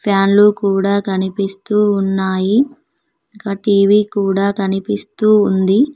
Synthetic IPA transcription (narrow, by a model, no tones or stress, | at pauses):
pʰjaːnlukuːɽaːkɐnipist̪uːnːaːji | kɐʈiːʋiːkuːɽaːkɐnipist̪uːnd̪i